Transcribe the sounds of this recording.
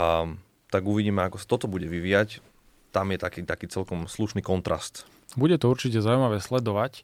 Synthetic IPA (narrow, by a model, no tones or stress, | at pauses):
t̪aɡuʋiɟiːmɛakɔsḁt̪ɔt̪ɔbuɟɛʋiʋiːjac | t̪amjɛt̪akiːt̪akiːt͡sɛlkɔmsluʃniːkɔnt̪ɾʔa̰st̪ | buɟɛt̪ɔuɾt͡ʃic̬ɛzaujmaʋɛːslɛd̪ɔʋac